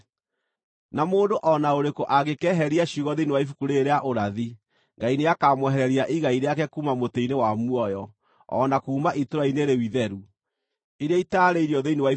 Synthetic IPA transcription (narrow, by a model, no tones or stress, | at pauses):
namoːndoʔɔnaoɾekoʔaɣekɛɦɛɾiaɕuɣɔðeinewaifukuɾeɾeaʔoɾaði | ŋɡaineakamwɛɦɛɾɛɾiaʔiɣaiɾeakɛkuːmamoteinewamwɔjɔ | ɔ̰nakuːmaʔitoɾaineɾewiðɛɾu | iɾeaitaɾeiɾiɔðeinewai